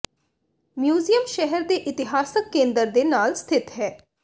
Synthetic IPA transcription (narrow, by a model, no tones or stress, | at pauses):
mjuːzijəmʃɛɦəɾd̪eːʔɪt̪ɪɦaːsəkːẽːnd̪əɾd̪eːnaːlst̪ʰɪt̪ɦɛː